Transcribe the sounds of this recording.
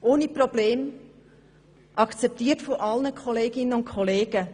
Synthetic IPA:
ʔoːniprob̥leːm | ʔɑkt͡sɛp̚tiːtfɔʔɑlnəkʰɔleːɡɪnənʊntkʰɔleːɡ̥ə

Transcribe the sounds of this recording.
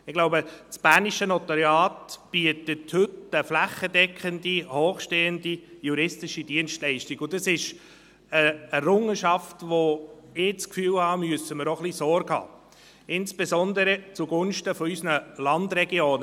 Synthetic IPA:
ɪɡ̥lʊbət͡sb̥æːniʃənɔt̪aɾjɑːtb̥iətəthɵtəflæχːədɛkχəndihoːχʃteːəndijuɾɪstɪʃid̥iənʃtlɛɪʃtiɡʊdɑsɪʃ | əɛɾʊŋəʃɑftʋoɪt͡skfyːlhɑːmyəsəməɾɔχlisɔɾɡhɑ̰ː | ɪnsb̥esɔnd̪əɾət͡suɡʊnʃtəfɔysnəlɑndɾɛɡioːnə

